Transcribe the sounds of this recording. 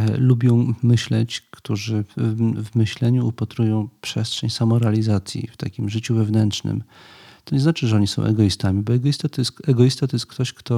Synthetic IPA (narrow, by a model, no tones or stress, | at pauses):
lubʲjɔ̃w̃mɘɕlɛt͡ɕkt̪uʐɘvmɘɕlɛɲuːpat̪ɾujɔ̃w̃pʂɛstʂɛɲsamɔɾɛalʲizat̪sʲjḭft̪akʲimʐɘt͡ɕuvɛvnɛntʂnɘ̰mt̪ɔɲɛznat͡ʂɘʐɛɔɲisɔ̃w̃ʔɛ̰ɡɔist̪amʲibɔɛɡɔjist̪at̪ɔjɛst̪ɛɡɔjist̪at̪ɔjɛst̪kt̪ɔɕkt̪ɔ